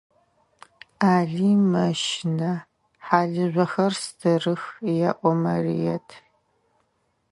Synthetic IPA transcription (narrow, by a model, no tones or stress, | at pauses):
aːɮiːmɐʃɪnɐ | ħaːɮɨʑʷɔxɐrstʰɨrɨxjaʔʷɔmɐrḭjɛtʰ